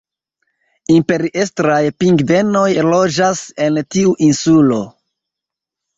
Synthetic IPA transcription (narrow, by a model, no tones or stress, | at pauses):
impe̞ɾiʔestɾajpiŋɡde̞no̞jlo̞d͡ʒase̞ntiuʔinsulo̞̰